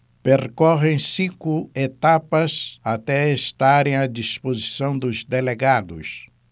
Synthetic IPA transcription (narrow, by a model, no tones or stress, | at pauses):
peɾkɔʁẽj̃sĩkʊet̪apɐzat̪ɛest̪aɾẽj̃ad͡ʒispozisɐ̃w̃d̪ʊzd̪eleɡad̪ʊ̰s